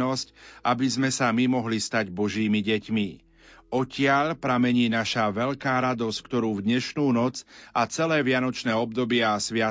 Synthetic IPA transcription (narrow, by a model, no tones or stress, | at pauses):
ɔscabizmɛsamimɔɦlist̪aɟbɔʒiːmiɟɛcmi | ʔɔcɪaʎpɾamɛɲiːnaʃaʋɛʎkaːɾad̪ɔsckt̪ɔɾuːvd̪ɲɛʃnuːnɔt͡sʔat͡sɛlɛːʋɪanɔt͡ʃnɛːɔbd̪ɔbɪɛasʋɪa